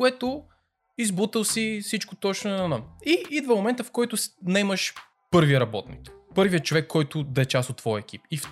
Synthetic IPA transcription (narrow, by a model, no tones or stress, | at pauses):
ʊɛt̪ʊ | izbut̪əlˠsisit͡ʃkot̪ɔt͡ʃnʊɛnɐnəiid̪vəmomɛnt̪əfkɔjt̪ʊsnɛməʃ | pɤɾviəɾɐbɔt̪nḭkpɤɾviət͡ʃovɛkʰːɔjt̪ʊd̪ɐɛt͡ʃasot̪ːvɔjəɛk̟ʰipif